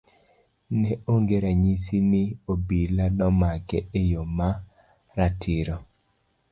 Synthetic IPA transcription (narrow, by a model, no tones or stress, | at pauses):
nɛʔoŋɡeɾaɲisinɪobiladɔmakɛejoma | ɾatʰɪɾɔ